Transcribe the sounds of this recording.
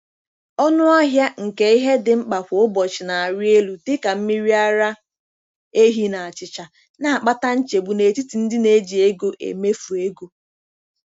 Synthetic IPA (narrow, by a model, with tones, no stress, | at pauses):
ɔ˦nʊ˦ɔ˦ɦja˦ŋ̩˨ke˦i˦ɦe˦dɪ˨ŋ͡m̩˦k͡pa˨hʷo˨˦ʊ˦bɔ˨t͡ʃɪ˨na˨a˨ɾje˦lu˨tɪ˦ka˨m̩˦mi˦ɾi˦a˦ɾa˦ | e˦ɦi˦na˨a˨t͡ʃɪ˨t͡ʃa˨ | na˨a˨k͡pa˦ta˦n̩˦t͡ʃe˨bu˨ne˨ti˦ti˨n̩˦dɪ˦ne˦d͡ʒi˨e˦ɡo˦ʔḛ˨me˦fu˨e˦ɡu˦